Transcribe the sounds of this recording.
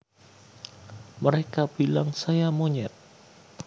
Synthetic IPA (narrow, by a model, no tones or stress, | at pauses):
məɾekab̥ilaŋsajamoɲɛt̪̚